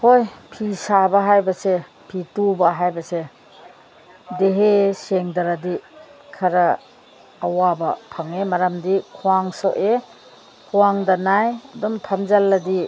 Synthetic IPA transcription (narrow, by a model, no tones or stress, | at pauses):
hojpʰisabɐɦajbɐse | pʰitubɐɦajbɐse | deɦeseŋdɐɾadikʰɐɾɐː | wabɐpʰaŋemɐɾamdikʰuwaŋsɔʔe | kʰuwaŋdɐnajɐdɔmpʰamzalːɐdi